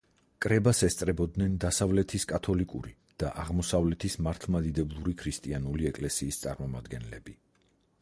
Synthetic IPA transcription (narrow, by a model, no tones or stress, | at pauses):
kʼɾɛbasɛst̪sʼɾɛbɔd̪nɛnd̪asavlɛt̪ʰiskʼat̪ʰɔlikʼṵɾi | d̪̥aʔaʁmɔsavlɛt̪ʰismaɾt̪ʰlˠmad̪id̪ɛblˠuɾikʰɾist̪ʼianuliɛkʼlɛsiːst̪sʼa̰ɾmɔmad̪ɡɛnlɛbi